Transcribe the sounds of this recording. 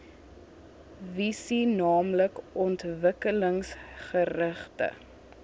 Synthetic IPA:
visinɑːmləkɔntvəkələŋsχəɾəχtə̰

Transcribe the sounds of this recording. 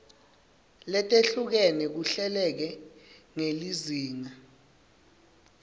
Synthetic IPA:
lɛtʼeɬuk̬ɛnɛk̬uɬɛlɛk̬ɛ | ŋeliziːŋa

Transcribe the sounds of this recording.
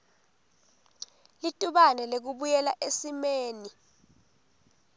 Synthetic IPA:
litʼuɓanɛlek̬uɓujɛlaʔesimeːni

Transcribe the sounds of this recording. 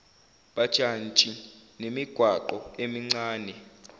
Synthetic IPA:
ɓad̥ʒ̥ʱant͡ʃʼinemiɡ̥ʱwaǃɔemiŋ͡ǀaːnɛ

